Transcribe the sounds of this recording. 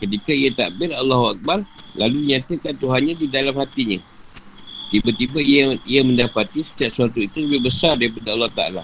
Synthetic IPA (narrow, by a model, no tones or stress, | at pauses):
kət̪̬ikaiat̪aʔbɪralːɑɦuak̚barlaludiɲat̪əkant̪uɦanɲãdidalamhat̪iɲã | t̪ibat̪ibaiaiamə̃ndapat̪isə̥t̪iaʔsəat̪uit̪uləbɪhbəsardaɾipadaɑlːɑht̪aa̰la̰